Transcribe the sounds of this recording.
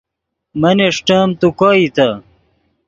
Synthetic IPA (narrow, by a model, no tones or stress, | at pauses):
mɐneʂʈamt̪ukoːit̪ɐ